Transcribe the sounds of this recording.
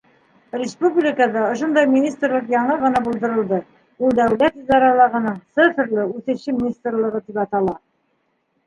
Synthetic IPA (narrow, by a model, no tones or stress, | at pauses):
rʲɪspublʲɪkəðɑŏʃond̪ɑjmʲinʲist̪rlˠɤqjɑɴɤʁɤ̆nɑbulˠd̪ɤ̆ɾɤ̆lˠd̪ɤ | ulˠd̪æwlæt̪izd̪ɑɾɑlˠɑʁɤ̆nɤɴt̪sɘfɘ̆ɾlɘʉθɘ̆ɕɘmʲinʲist̪rlˠɤ̆ʁɤt̪ipɑt̪ɑlˠɑ